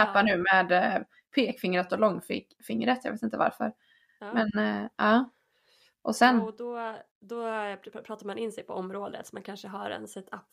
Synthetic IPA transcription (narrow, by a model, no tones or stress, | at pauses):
ɛpːanʉ̟ːmeːd̪ | pʰeːkfɪŋɾət̪ɔlɔŋːfɪ̰kfɪŋːɾət̪jɑ̰veːt̪ɪnt̪əva̰ɾfœ̰ɾ | mɛnʔɑː | ʔɔsɛnd̪ɔ | d̪ɔpʰɾɑːt̪aɾmanɪnːsɛjpʰɔɔmɾoːd̪ə̰t̪sɔmankʰanʂəɦaɾɛ̰nsɛt̪ʰapː